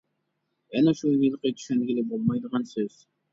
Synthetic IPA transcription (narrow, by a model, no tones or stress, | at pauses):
ɛnɛʃujilˠqet͡ʃ̪ʰy̥ʃænɡʲɪlɪbolˠmɑjd̪əʁɑnsɪz̥